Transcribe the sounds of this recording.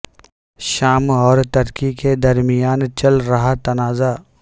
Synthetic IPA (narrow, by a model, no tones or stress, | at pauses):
ʃaːmɔːɾt̪ɐɾkiked̪ɐɾmɪjaːnt͡ʃɐlɾɐɦat̪ɐnaːza